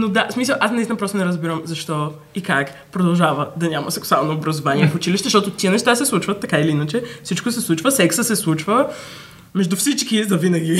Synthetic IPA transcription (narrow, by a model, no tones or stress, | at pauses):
nod̪asmisəlˠʔasnist̪inəpɾɔst̪nɛɾəzbiɾəmzɐʃt̪ɔ | ikak | pɾod̪ɐlˠʒavəd̪ɐnʲamɐsɛksalˠnoːbɾɐzovaniɛfʊt͡ʃiliʃt̪ɛzʃt̪ɔt̪ʊt̪iənɛʃt̪asɛslˠut͡ʃvət̪ːɐkailiinət͡ʃɛfsit͡ʃkosɛslˠut͡ʃvəsɛksəsɛslˠut͡ʃvə | mɛʒd̪ufsit͡ʃkizɐvinəɡʲi